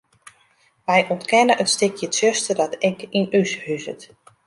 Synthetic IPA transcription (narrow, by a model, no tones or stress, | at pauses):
ʋɛjʔɔntkɛnəʔətstɪkjətsøstədɔtɛkinyshyzə̰t